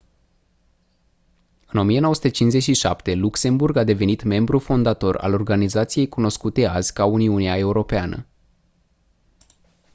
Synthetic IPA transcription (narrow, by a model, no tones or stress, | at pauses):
ɨno̞mije̞noəsu̥t̪et͡ʃinszet͡ʃʲʃiʃa̰pt̪e̞lukse̞mburɡad̪e̞ve̞nit̪me̞mbɾufo̞nd̪at̪o̞ra̰lo̞rɡanizat̪sije̞jkuno̞skut̪e̞azʲkauniuniae̞uɾo̞peanə̰